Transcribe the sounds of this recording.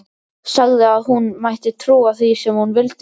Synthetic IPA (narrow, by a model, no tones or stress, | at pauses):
saɣðɪaðɦunmajht̪ɪt̪ʰɾuːaθisɛmhunvɪlt̪